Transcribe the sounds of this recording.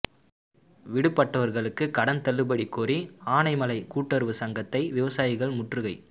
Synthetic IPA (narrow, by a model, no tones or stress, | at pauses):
ʋɪɽɯpːɐʈːɐʋɐɾɣɐɭɯkːɯkɐɽɐnt̪ɐlːɯbɐɽikːuːriaːnɐɪmɐlɐɪkuːʈːɐɾɯʋɯsɐŋɡɐt̪ːɐɪʋɪʋɐsaːjɪɣɐɭmʊʈrɯɣɐɪ